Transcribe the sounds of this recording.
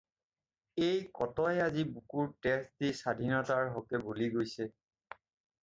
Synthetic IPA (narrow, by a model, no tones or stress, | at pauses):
ejkɔtɔjɛazibukuɹtɛsdisadʱinataɹɦɔkɛbuliɡojsɛ